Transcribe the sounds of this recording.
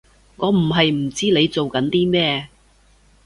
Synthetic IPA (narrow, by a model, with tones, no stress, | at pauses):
ŋɔː˨˧m̩˨˩ɦɐ˨jm̩˨˩t͡siː˥le˨˧jt͡so˨wkɐ˨˥nt̪iː˥mɛː˥˧